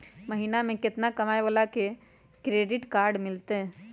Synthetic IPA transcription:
mɐɦiːnamẽkɪt̪nakɐmaːeʋəlake | kɾeːɖɪʈkaːɾɖmɪlt̪eɦɛ̃ː

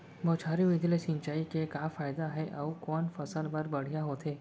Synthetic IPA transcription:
bɔːt͡ʃʰaːɾiʋɪd̪ʱlesɪ̃ɲt͡ʃaːikekaːfaːɪd̪aɦɛʔɔːkɔːnfɐsəlbɐɾbɐɽ̤ijaɦoːt̪ʰeː

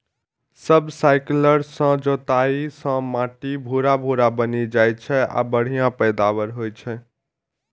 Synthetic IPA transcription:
səbsaɪkləɾsə̃d͡ʒot̪aisə̃mãʈibʱuɾabʱuɾabənid͡ʒajt͡ʃʰɛa̰bəɽ̤ijãpəjd̪abəɾɦojt͡ʃʰɛ

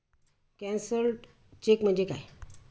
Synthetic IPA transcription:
kɛ̃nsəɾ | t͡ɕekm̤əɳd͡ʑeka̰j

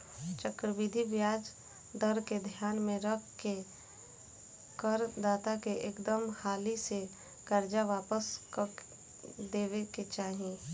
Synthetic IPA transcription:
t͡ʃəkɾəʋɪd̪ʱiʋjaːd͡ʒ | d̪əɾked̪ʱjaːnmẽɾəkʰke | kəɾd̪aːt̪akeʔeːkd̪əmhaːlise | kəɾd͡ʒaʋaːpəsk | d̪eːʋeket͡ʃaːɦẽ

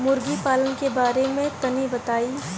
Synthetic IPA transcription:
mʊɾɡipaːlənkebaːɾemẽt̪ɐnibɐt̪aːi

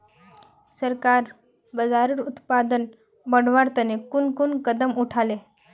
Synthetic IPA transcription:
səɾkaɾ | bəd͡zaɾuɾut̪pad̪ən | bəɽ̤ʋaɾt̪ənekunkunkəd̪əmuʈʰale

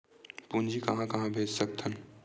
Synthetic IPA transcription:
pund͡ʒʱikɐɦãkɐɦãbʱeːd͡ʒsɐk̚t̪ʰən

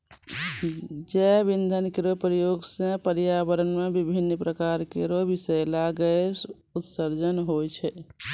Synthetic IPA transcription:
d͡ʒɛbind̪ʱənkeɾopɾəjoɡsẽpəɾjabəɾənmebibʱinːpɾəkaɾkeɾobisəjlaɡəes | ut̪səɾd͡ʒənɦot͡ʃʰɛ

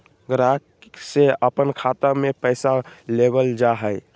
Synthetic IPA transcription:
ɡɾakseəpənkʰat̪amepəjsalebəld͡ʒaɦəj

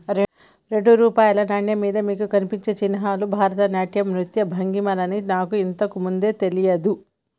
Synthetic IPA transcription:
ɾ | ɾe̞ɳɖuɾuːpaːjɐlɐnaːɳjɐmiːd̪ɐmiːkukɐnipiɲt͡ʃeːt͡ʃinɐɦaːlubʱaːɾɐt̪ɐnjaːʈjɐmɾut̪jɐbʱɐŋɡimɐlɐninaːkuint̪ɐkumund̪e̞ːt̪e̞lijɐd̪u

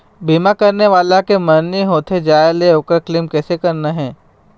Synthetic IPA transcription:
bʱiːmakɐɾneʋaːlakemənːiɦoːt̪ʰed͡ʒaːeleoːkəɾklɪmkɛːsekɐɾnaɦɛ̃ː

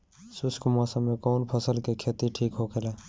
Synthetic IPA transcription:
suskumasəmːekɔʊnpʰəsəlkekʰet̪iʈʰikɦokʰele

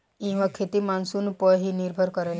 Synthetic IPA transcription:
ĩw̃ʋakʰet̪imansuːnpəjɦiniɾbʱəɾkəɾajla

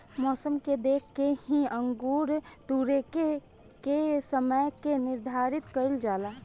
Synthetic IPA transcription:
mɔːsəmked̪eːkʰkehĩə̃ŋɡuːɾt̪uːɾeke | kesəməjkenɪɾd̪ʱaːɾɪt̪kəɪld͡ʒaːlaː

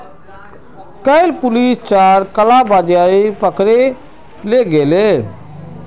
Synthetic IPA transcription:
kəɪlpʊlist͡ʃaɾkəlabad͡ʒaipəkɾe | leɡele

